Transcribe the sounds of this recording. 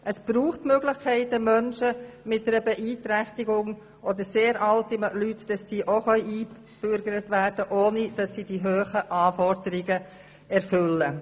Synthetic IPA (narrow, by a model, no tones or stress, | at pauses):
ʔəsb̥ɾuːχtmøɡlɪχkʰɛɪtəmœnʃəmɪt̚dɛɾəbɛʔiːtɾæχtiɡʊŋ | ʔodəɾseːɾʔɑltimlytd̥ɑsːiːʔoχœʏiː | b̥ʏɾɡəɾətʋæɾd̥əʔoːnid̥ɑsːiːdiɦøːχəʔɑːfɔɾdəɾɪɡə | ɛɾfʏlːə